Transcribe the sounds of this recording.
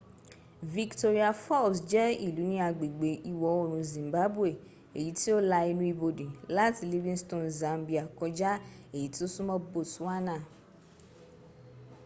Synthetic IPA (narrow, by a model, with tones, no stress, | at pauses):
vi˧kto˧ɾi˦a˧fɔ˦˨bsd͡ʒɛ˦i˦˨lu˨˦nĩ˦a˧ɡ͡be˨ɡ͡be˨ʔi˧wɔ˧˨o˦˨ɾ̃ũ˨˧zĩ˨m˨ba˨˦bu˦e˦˨ | e˨ji˨˦ti˦o˦la˧i˧nũ˦i˧bo˧de˨la˦ti˦li˧vĩ˦stõ˦˨nzã˨˧mbi˨a˨kɔ˧d͡ʒa˦e˦˨ji˨˦ti˦o˦su˦mɔ̃˦bo˦˨tũ˨˦a˦nã˦˨